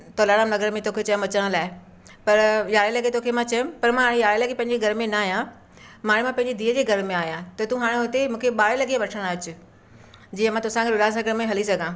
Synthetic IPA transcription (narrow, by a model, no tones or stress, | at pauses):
t̪oːlaːɽanɐɡəɾmẽt̪oːkʰet͡ɕɐj̃mʋɐt͡ɕəɽ̃laːɪ | pɐɾjaːɽelɐɡet̪oːkʰemãt͡ɕɐjʊ̃pɐɾmãɦaːɽ̃ejaːɽelɐɡepɐ̃ɦɪ̃ɲd͡ʑeɡʱɐɾmẽnɐaːɦijã | maːɽ̃emãpɐ̃ɦɪ̃ɲd͡ʑed̪ʱiːəd͡ʑeːɡʱɐɾmẽaːɦijãt̪ɐt̪ũɦaːɽ̃eɦʊt̪emũːkʰeɓaːɽelɐɡieʋɐʈʰəɽ̃aːt͡ɕʊ̆ | d͡ʑiːə̃mãːt̪ʊsãkʰeɗʊlaːsɐɡəɾmẽɦɐlisɐɡʱãː